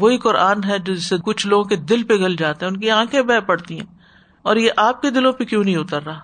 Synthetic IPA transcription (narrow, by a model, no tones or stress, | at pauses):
ʋoːikʊɾʔaːnɦɛd͡ʒoːd͡ʒɪsekʊt͡ʃʰloːɡõked̪ɪlpeɡɐld͡ʒaːt̪eɦɛ̃ʊnkiãːkʰẽbɛːpɐɽt̪iɦɛ̰̃ː | ɔːɾjeʔaːp̚ked̪ɪlõpekjõːnɐɦĩʊt̪əɾːaː